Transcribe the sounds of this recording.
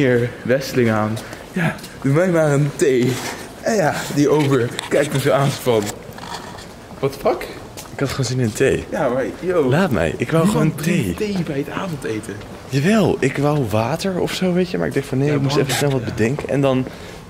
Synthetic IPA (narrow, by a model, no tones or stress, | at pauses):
ɪɹʋɛsəlɪŋaːn | ja | dunʋɛjmaːɹəntej | ɛjadiʔowvəɹkɛjk̚təsoaːnsfɑn | ʋɑtfɑk | ɪkɦɑtχoːnzɪnnətejjamajolaːtmɛ̰jʔɪkʋawχəontejtejbɛjətaːvɔntejtə | jaːʋɛlˠʔɪkʋawʋaːtəɹɔfsowʋejtəmaːɹɪɡ̚dɛxtfɑnɦejɪkmustɛfənsnɛlˠʋɑd̚bədɛŋkəɛ̰ndɑn